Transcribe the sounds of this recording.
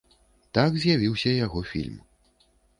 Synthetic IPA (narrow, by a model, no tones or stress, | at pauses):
t̪akzʲjavʲiwsʲɐjaɣɔfʲḭlʲm